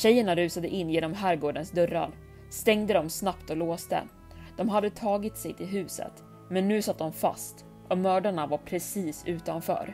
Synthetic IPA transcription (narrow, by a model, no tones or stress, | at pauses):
ɕɛjːəɳaɾʉ̟ːsad̪əʔɪnːjeːnɔmɦæɾɡoːɖənsd̪ɵɾːa̰ɾ | st̪ɛŋd̪əd̪ɔmsnapt̪ɔloːst̪ə̰ | d̪̥ɔmɦad̪ːət̪ʰɑːɡɪt̪sɛjt̪ʰɪlɦʉ̟ːsə̰t̪ | mɛnːʉ̟ːsat̪̚ːd̪ɔmfa̰st̪ | ɔmœːɖaɳavaɾpʰɾɛsiːsʉ̟ːt̪anfœ̰ːɾ